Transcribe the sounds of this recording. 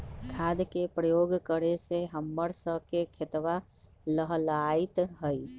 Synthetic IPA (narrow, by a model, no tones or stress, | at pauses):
kʰad̪kepɾəjoːɡkəɾeseɦəmːəɾsəkekʰet̪ʋa | ləɦlait̪ɦəi